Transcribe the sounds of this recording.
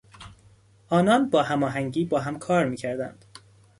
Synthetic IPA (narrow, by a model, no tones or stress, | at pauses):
ʔɒːnɒːnbɒːhæmɒːɦæŋɟiːbɒːɦæmkʰɒːɾmiːcʰæɾd̪æ̰nd̪̥